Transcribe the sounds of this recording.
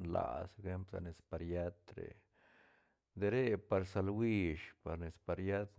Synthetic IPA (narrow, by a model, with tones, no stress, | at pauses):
nla̰˨seke˧˦mpsa̰˧ne˨spa˧ɾja˦t̪ɾḛ˨ | d̪e˧ɾe˦pa˧ɾsa˧lwi˧ʃpa˨ɾne˨spa˧ɾja˦t̪